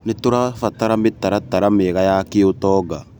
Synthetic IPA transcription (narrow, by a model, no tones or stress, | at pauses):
netoɾafataɾametaɾataɾameɣajakeotɔːɡa